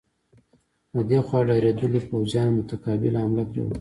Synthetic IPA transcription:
əd̪exwɑɖɑɾed̪əlipawzjɑnmʊt̪akɑbɪlamlakɾḛw̰

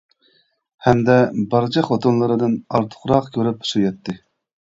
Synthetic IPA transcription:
hɛmd̪ɛbɑɾt͡ʃʰɑχot̪ʰonlˠɨɾɨd̪ɨnɑɾt̪ʰʊ̥χɾɑqkʲʰøɾypu̥sujɑt̪ʰːɨ

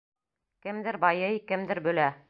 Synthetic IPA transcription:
kɘ̆md̪ɘɾbɑjɤjkɘ̆md̪ɘɾbɵ̆læ

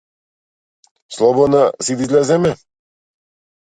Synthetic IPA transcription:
slˠɔbɔd̪nasid̪izlʲɛzɛmɛ

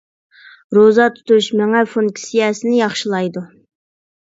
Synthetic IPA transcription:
ɾozɑt̪ʰu̥t̪uʃmɛŋɛfoŋkʲsijɛsɪnɪjɑχʃɨlˠɑjd̪u

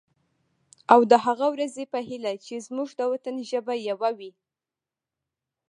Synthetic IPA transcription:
awd̪əɦaɣawɾazepəɦilat͡ʃezmuʒd̪əwat̪ənʒəbajawawi

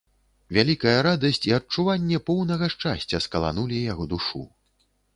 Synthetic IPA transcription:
vʲalʲikɐjɐɾad̪ɐsʲt͡sʲiɐt͡ʂuvanʲːɛpɔwnɐɣɐʂt͡ʂasʲt͡sʲɐskɐlˠa̰nulʲijaɣɔd̪uʂṵ

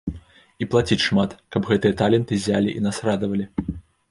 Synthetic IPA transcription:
iplˠat͡sʲit͡sʲʂmat̪kɐbɣɛt̪ɨjɐt̪alʲɛnt̪ɨzʲalʲiʔinasɾad̪ɐvɐlʲi

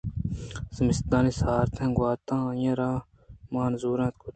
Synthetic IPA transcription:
səmist̪ãːnisaːɾt̪ʰẽɡwaːt̪ãːjɐ̃ɾãː | maːnzuːɾãːt̪̚kʰut̪

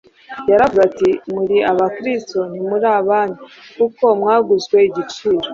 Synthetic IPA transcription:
jaɾavuzatimuɾiaβakɾisto̞n̥imuɾaːβaːnikuko̞mŋaːɡuzɡwe̞iɟit͡ʃiːɾo

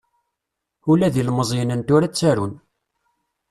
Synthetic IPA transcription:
ulæðilməzˤinənt̪ʊɾæt͡sːæɾun

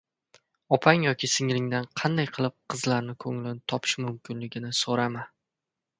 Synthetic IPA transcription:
ɒpʰaŋjɒkʲʰɪsɪŋlɪŋd̪anqʰɑnd̪ajqʰɨlˠɪp̚qʰɨzlaɾnɪkʰɵŋlɪnɪt̪ʰɒpʰɪ̥ʃmʊmkʲɪnlɪɡʲɪnɪsoɾama

